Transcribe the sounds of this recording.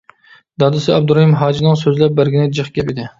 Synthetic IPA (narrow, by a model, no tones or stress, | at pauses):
d̪ɑd̪ɨsɪɛb̚d̪uɾɑhimɦɑːd͡ʒinɨŋsøzlɛp̚bæɾɡʲinɪd͡ʒɨχɡʲɛpɪd̪ɪ